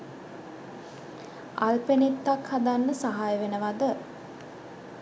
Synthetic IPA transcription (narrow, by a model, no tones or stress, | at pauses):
a̰lpenet̪ːakhad̪anːəsaɦajəʋenəʋad̪ə